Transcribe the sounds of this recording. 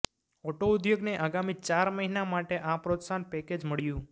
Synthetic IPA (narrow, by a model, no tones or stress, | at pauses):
ɔʈoʊd̪joɡneʔaɡamit͡ʃaɾməɦinamaʈeʔãpɾot̪sanpɛked͡ʒməɭjũ